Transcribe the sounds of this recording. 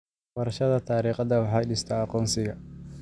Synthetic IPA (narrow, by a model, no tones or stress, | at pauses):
wɐɾɐʃɐðɐt̪ʰaːɾiːqɐðɐwɑħɑjɖɪst̪ʰaːɐqɔːnsɪɣɐ